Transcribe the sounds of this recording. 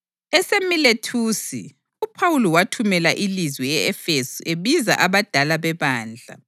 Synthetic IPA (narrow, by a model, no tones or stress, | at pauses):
ɛsemiletʰuːsi | upʰawulɔwatʰumɛlaʔilizwɛjɛɛfesuʔeβiza̰ʔaβad̥ʱalaβɛβaːnd͡ɮʱa̰